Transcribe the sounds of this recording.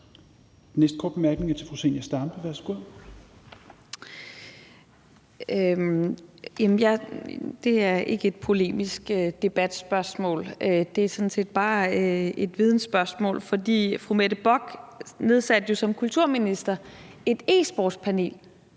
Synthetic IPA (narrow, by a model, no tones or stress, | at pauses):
d̥enesd̥̚kʰɒ̰ːd̥̚b̥e̝mæɐɡ̥ne̝ŋɐt͡sʰe̝fʁusenjæsd̥ɑ̈mb̥əʋæsɡ̥uð̰ˠ | ø | jæmənjɑd̥e̝æɐʔe̝ɡ̥əe̝d̥̚pʰo̝le̝̰ːmisɡ̥ød̥e̝b̥æd̥sb̥ɶɐsmɔ̰̽ːlød̥e̝æɐsɔ̽nse̝̰ːd̥̚b̥ɑ̈ːe̝d̥ʋið̞ˠn̩sb̥ɶɐsmɔ̰̽ːlfɒ̽d̥ḭːfʁumed̥əb̥ɒɡ̥ne̝ð̞ˠsæd̥əjo̝sɒ̽mkʰult͡sʰuɐ̰minisd̥ɐe̝d̥e̝̰ːsb̥ɒd̥spʰæne̝̰ːl